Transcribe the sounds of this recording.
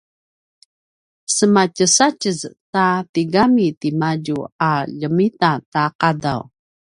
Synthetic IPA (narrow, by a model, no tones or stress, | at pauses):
səmacəsacəztatiɡamitimaɟuaʎəmitataqada̰w